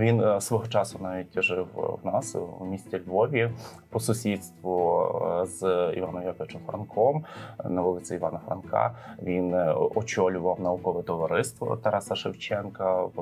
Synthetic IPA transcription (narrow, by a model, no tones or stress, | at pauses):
ʋʲinsʋɔɦɔt͡ʃɑsʊnɑʋʲitʲʒɪwwnɑswmʲisʲtʲɛlʲʋɔʋʲipɔsʊsʲit̪st̪ʋʊ | zḭʋɑnɔmjɐkɔʋɪt͡ʃɔmfɾɐ̰nkʰɔmnɐʋulˠɪt͡sʲiiʋɑ̰nɐfɾɐ̰nkʰɑ̰ʋʲinɔt͡ʃɔlʲʊʋɐwnɐʊkɔʋɛt̪ɔʋɐɾɪst̪ʋɔ̰t̪ɐɾɑsɐʃɪwt͡ʃɛnkɐ